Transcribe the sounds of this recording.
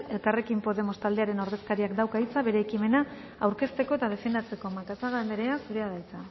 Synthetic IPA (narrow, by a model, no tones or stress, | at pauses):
e̞lkare̞kimpo̞ðe̞mo̞st̪ald̪e̞aɾe̞no̞ɾðe̞skaɾiakd̪awkait͡saβe̞ɾe̞ːkime̞na | awɾke̞st̪e̞ko̞e̞t̪að̞e̞fe̞nd̪at͡se̞ko̞makasaɣaend̪eɾe̞asuɾeaðajt͡sa